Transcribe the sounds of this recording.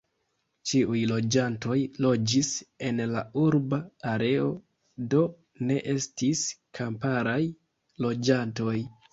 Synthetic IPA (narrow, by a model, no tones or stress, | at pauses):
t͡ʃiujlo̞d͡ʒanto̞jlo̞d͡ʒise̞nlauɾbaːɾe̞o̞ | do̞ | ne̞ʔe̞stiskʰampaɾaj | lo̞d͡ʒanto̞j